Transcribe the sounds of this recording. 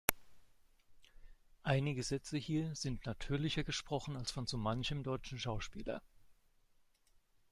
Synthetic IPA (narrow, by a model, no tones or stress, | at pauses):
ʔaɪnɪɡəzɛt͡səhiːɐz̥ɪntnatʰyːɐlɪçɐɡəʃpʁ̥ɔχn̩alsfɔnt͡sumançəmdɔʏt͡ʃn̩ʃaʊʃpḭːlɐ̰